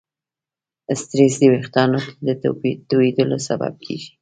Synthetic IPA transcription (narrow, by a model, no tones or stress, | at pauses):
əst̪ɾesd̪əwext̪ɑnok̪ed̪ət̪oed̪əlosaba̰b̚kʰḛʒi̥